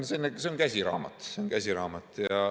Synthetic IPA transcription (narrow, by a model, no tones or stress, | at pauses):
senːeseonkæsʲiɾɑ̰ːmɑ̰t̪seonkæsʲiɾɑːmɑt̪ːˑjɑ